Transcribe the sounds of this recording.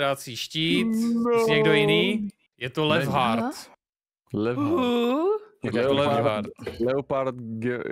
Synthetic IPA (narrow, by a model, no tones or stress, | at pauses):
ɾat͡siːʃciːt̪sɲɛɡdojɪniː | jɛt̪olɛvɦaɾt̪ | lɛ | jɛolɛvɦaɾt̪lɛopaɾt̪ɡɛ